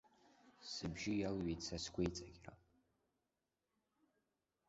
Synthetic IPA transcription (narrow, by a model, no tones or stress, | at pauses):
sɨbʒɪjalɥejtt͡sʰaskʷʰʼejt͡sʼaɡʲra